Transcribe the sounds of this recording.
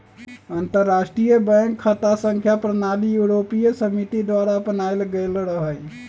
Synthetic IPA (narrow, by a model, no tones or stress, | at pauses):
ənt̪əɾːasʈɾijəbɛ̃ŋkʰːət̪asə̃ŋkʰjapɾənalijuɾopijəsəmit̪id̪ʋaɾapənajlɡəlɾəɦəj